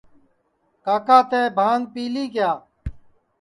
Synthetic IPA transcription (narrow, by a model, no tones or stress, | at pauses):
kaːkaːt̪eːbʱãːŋɡ̚piːliːkjaː